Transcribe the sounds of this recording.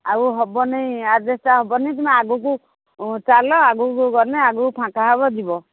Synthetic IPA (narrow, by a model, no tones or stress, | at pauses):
aɡuɦɔbɔnejadestaɦɔbɔnejt̪umaaɡuk̬u | t͡ʃalɔaɡukuɡɔneaɡukupʰãkaɦabɔd̪ibɔ